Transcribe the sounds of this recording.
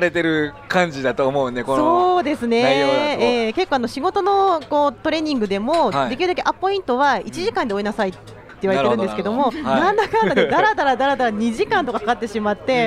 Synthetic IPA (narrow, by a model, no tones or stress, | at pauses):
ɾe̞t̪e̞ɾɯ̟kãɲd͡ʑid̪at̪oːmo̞ɯnekosoːd̪e̞sɨne̞eːke̞kːoanoɕiɡo̞t̪o̞no̞ko̞ːt̪o̞ɾe̞ɲ̟ĩŋɡɯ̟d̪e̞mo̞d̪e̞kʲiɾɯ̟d̪ak̬e̞ʔapːo̞ĩnt̪o̞βait͡ɕiʑikãnd̪eoinasait̪ː | e̞iβaɾeɾɯ̃nesɨ̥ked̪o̞mo̞nãnd̪akanoed̪aɾad̪aɾad̪aɾad̪aɾaɲ̟iʑikãnt̪okahkat̪ːe̞ɕimat̪ːe̞